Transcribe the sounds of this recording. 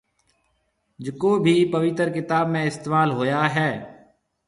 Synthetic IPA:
d͡ʒəkoːbʱiːpəʋɪt̪əɾkɪt̪aːbmẽːɪst̪eːmaːlɦoːjaːɦɛː

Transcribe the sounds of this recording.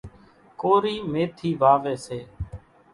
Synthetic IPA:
koːɾiːmeːt̪ʰiːʋaːʋeːseː

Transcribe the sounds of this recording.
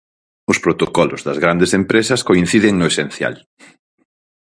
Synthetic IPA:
ʊspɾot̪okɔlʊzðɐzɣɾand̪esempɾesɐskoĩn̟θiðeŋnʊesen̟θja̰l

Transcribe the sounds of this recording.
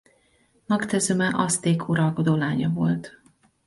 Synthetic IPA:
mɒkt̪ɛzømɛʔɒst̪eːkʰuɾɒlko̞d̪oːlaːɲɒvo̞̰lt̪

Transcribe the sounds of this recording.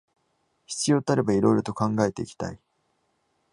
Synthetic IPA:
çi̥t͡sɨjoːt̪aɾe̞baiɾo̞iɾo̞t̪o̞kãŋɡae̞t̪e̞ikʲi̥t̪a̰i

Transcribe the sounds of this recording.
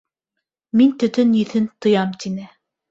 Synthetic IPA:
mint̪ɵ̆t̪ɵnjiθɘnt̪ɤ̆jɑmt̪inɘ

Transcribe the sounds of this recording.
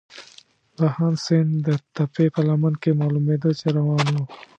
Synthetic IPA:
bahɑnsend̪ət̪apepəlamankemɑːlumed̪ot͡ʃeɾawɑːnwo

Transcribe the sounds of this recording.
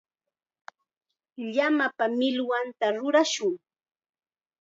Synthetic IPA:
ʎamapamɪlwant̪aɾʊɾaʃʊŋ

